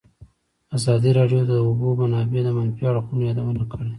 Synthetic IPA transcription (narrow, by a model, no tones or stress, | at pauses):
azɑd̪iɾɑɖjot̪aubomanɑbed̪əmanpjɑɽoxumjɑd̪awənakʰəɽe